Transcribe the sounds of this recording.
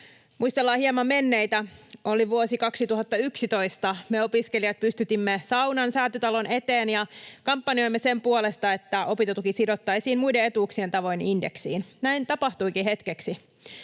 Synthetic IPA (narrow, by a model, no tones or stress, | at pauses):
muist̪elːɑːhiemɑmmenːejt̪æo̞liʋuosikɑksit̪uɦɑt̪ːɑyksit̪o̞ist̪ɑmeo̞piske̞liɑt̪̚pyst̪yt̪imːesɑwnɑnsæːt̪yt̪ɑlo̞ne̞t̪eːnjɑkɑmpːɑnio̞jmːesempuole̞st̪ɑe̞t̪ːæo̞pit̪ɑt̪ukisido̞t̪ːɑisiːnmujdee̞t̪uːksie̞nt̪ɑʋo̞inindeksḭːnnæint̪ɑpɑht̪ujkiɦe̞t̪keksi